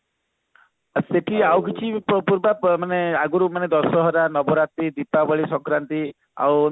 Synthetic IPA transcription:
seʈiawk̬it͡ʃʰipɔpuɾbamaneaɡuɾumaned̪ɔsɔɦɔɾanɔbɔɾat̪id̪ipabɔɭisɔŋkɾant̪i | a̰w

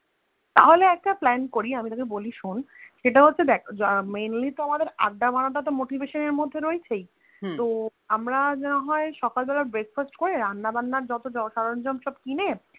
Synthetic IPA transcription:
t̪a̰ɦoleɛk̚ʈaplɛnkoɾiamit̪akeboliʃunʃeʈaɦotːɕʰed̪ɛkʰmejnlit̪oamad̪eɾa̰ɡːabʱanaʈ̬at̪̬omoʈibʱeʃoneɾmod̪ʱːeɾoet͡ɕʰej | t̪oamɾad͡ʑɛnoɦɔeʃɔkalbɛlaɾbɾek̚fasʈkoɾeɾanːabanːaɾd͡ʑɔt̪od͡ʑɔʃaɾond͡ʑɔnʃɔb̚kine

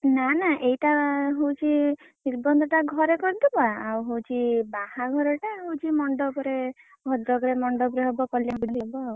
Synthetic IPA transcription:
nanaʔejʈaɦowt͡ʃʰi | niɾbɔnd̪ʱɔʈaɡʱɔɾekɔɾd̪ɔpaawɦowt͡ʃʰibahaɡʱɔɾeʈaɦowt͡ʃʰimɔɳɖɔpɔɾe | ɡʱɔd̪ɾɔɡɽemɔɳɖɔpɾeɦɔbɔkɔljabuɽd̪ibɔaw

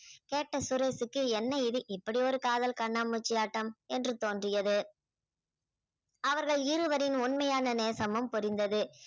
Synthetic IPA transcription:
keːʈːɐsʊɾɐɪsɯkːɯɛnːɐɪðɯʔɪpːɐɽɪɔɾɯkaːðɐlkɐɳːaːmɯt͡ʃːɪjaːʈːɐmɛndrɯt̪oːndrɪjɐðɯ | ɐʋɐɾɣɐɭɪɾɯʋɐɾɪnʊnmɐjaːnɐneːsɐmɯmpʊɾɪnd̪ɐðɯ

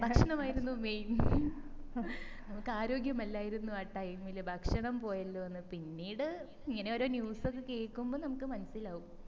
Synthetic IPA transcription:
bʱɐkʂɐɳɐmaːjiɾunːumejn | nɐmukːɨaːɾo̞ːɡjɐmɐlːaːjiɾunːuaːʈːɐjmilbʱɐkʂɐɳɐmpo̞ːjɐlːoːɐnːɨpinːiːɽɨ | iŋːɐne̞o̞ːɾo̞ːnjuːso̞kːeke̞ːɭkːumboːnɐmukːɨmɐnɐsilaːɣum

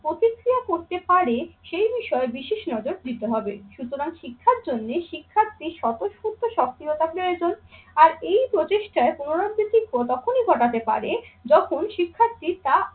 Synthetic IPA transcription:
pɾot̪ikɾiakoɾt̪epaɾeʃejbiʃɔebiʃeʃnɔd͡ʑoɾd̪it̪eɦɔbeʃut̪oɾaŋʃikʰːaɾd͡ʑonːeʃikʰːat̪ːiʃɔt̪oʃfot̪ːoʃɔk̚t̪iot̪apɾoed͡ʑonaɾejpɾot͡ɕeʃʈaepunoɾadɾit̪ikot̪ɔkʰoniɡʱɔʈat̪epa̰ɾed͡ʑɔkʰonʃikʰːat̪ːit̪a

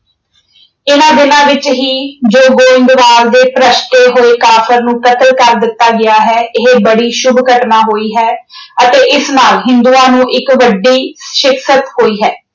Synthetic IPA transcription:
ɪnãːd̪ɪnãːʋɪt͡ʃɦiːd͡ʒoːɡoːɪ̃ŋɡ̪ʋaːɾd̪eːpɾəʃʈeːɦoːeːkaːfʰəɾnũːkət̪əlkəɾd̪ɪt̪ːaːɡɪaːɦɛːʔɪɦebəɽiːʃʊbkəʈnaːɦoːiːɦɛːət̪eːʔɪsnaːlɦɪnd̪uːaːnũːʔɪkʋəɖːiːʃɪksət̪hoːiːɦɛː

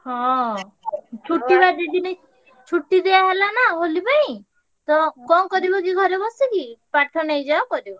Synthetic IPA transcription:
hɔ̃ | t͡ʃʰuʈːibad̪id̪ine | t͡ʃʰuʈːid̪eaɦelanaɦolipaĩ | t̪ɔkɔŋkɔɾibɔk̬iɡʱɔɾebɔsikipaʈʰɔnejd͡ʒaɔkɔɾibɔ

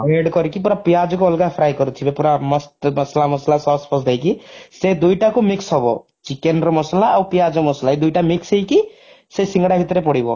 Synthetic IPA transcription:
eɖkɔɾikipuɾapijad͡ʒɔkoɔlɡapʰɾajkɔɾut̪ʰibepuɾamɔsmʌslamʌslasɔspɔsd̪ʱejkised̪ujʈakomiksɦɔbɔ̰t͡ʃikenɾɔmɔslaːwpijad͡ʒɔmɔslaid̪ujʈamiksejki | sesiŋɡɽabʱit̪ɾepɔɽibɔ̰

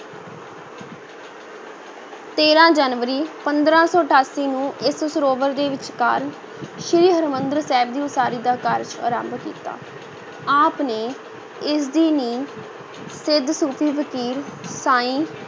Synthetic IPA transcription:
t̪eːɾãːd͡ʒanʋəɾiːpənd̪ɾãːsɔːəʈʰaːsiːnũːʔɪssəɾoːʋəɾd̪eːʋɪt͡ʃkaːɾən | ʃɪɾiːɦəɾmənd̪ɾsɛːbd̪iːʊsaːɾiːd̪aːkəɾt͡ʃa̰ːɾã̰ːmbkḭːt̪a̰ː | aːpneː | ɪs̬d̪iːniː | sɪd̪suːpʰiːpəkiːɾsaːĩː

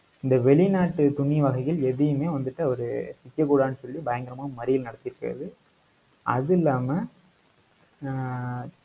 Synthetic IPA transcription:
ɪnd̪ɐʋɛɭɪnaːʈːɯt̪ʊɳiʋɐɣɐɪɣɪlɛðɪjɯmeːʋɐnd̪ɯʈːɯɔɾɯ̰sɪkːɐkuːɽaːnɯsɔlːibɐjɐŋɡɐɾɐmaːmɐɾɪjɪlnɐɽɐt̪ːɪɾɯkːɪrɐ̰ðɯ | ʔɐ̰ðɪlːaːmɐ

